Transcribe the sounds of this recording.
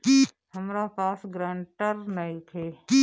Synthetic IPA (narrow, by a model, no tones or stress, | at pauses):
ki | hɐmɾapaːsɡɾãːɳʈəɾnɐit̪ʰeːki